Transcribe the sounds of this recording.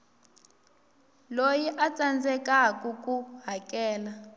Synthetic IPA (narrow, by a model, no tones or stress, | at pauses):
lojiʔat͡sʼand͡zɛkakukuɦakɛːla